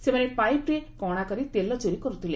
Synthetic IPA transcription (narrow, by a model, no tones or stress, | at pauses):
semanepajpɾekɔɽ̃akɔɾit̪elɔt͡ʃoɾikɔɾut̪ʰile